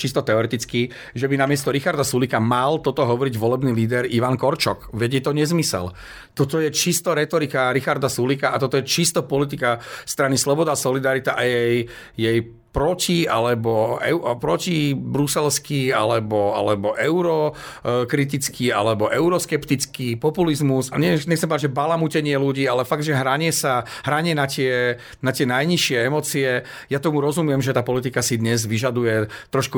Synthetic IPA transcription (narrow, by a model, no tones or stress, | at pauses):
t͡ʃist̪ɔt̪ɛɔɾɛt̪it͡ski | ʒɛbinamɪɛst̪ɔɾixaɾd̪asulikamalt̪ɔt̪ɔɦɔʋɔɾiɟʋɔlɛbniliːd̪ɛɾiʋaŋkɔɾt͡ʃɔkʋɛɟɛt̪ɔɲɛzmisɛ̰l | t̪ɔt̪ɔjɛt͡ʃist̪ɔɾɛt̪ɔɾikaɾixaɾd̪asulikaʔat̪ɔt̪ɔjɛt͡ʃist̪ɔpɔlit̪ikast̪ɾanislɔbɔd̪aːsɔlid̪aɾit̪aʔajɛj | jɛj | pɾɔcia̰lɛbɔɛ̰ʊpɾɔcibɾusɛlskia̰lɛbɔa̰lɛbɔʔɛʊɾɔkɾit̪̬it͡skʰia̰lɛbɔʔɛʊɾɔskɛpt̪it͡skipɔpulizmusaɲɛɲɛxt͡sɛmpɔd̪add͡ʒʒɛbalamucɛɲɪɛluɟiːalɛfaɡd̪ʒɛɦɾaɲɪɛsaɦɾaɲɪɛnacɪɛ | nat̪ɪɛnajɲiʃɪɛɛmɔt͡siɛ | jat̪ɔmuɾɔzumjɛmʒɛt̪aːpɔlit̪̬ikasid̪ɲɛzʋiʒad̪ujɛt̪ɾɔʃku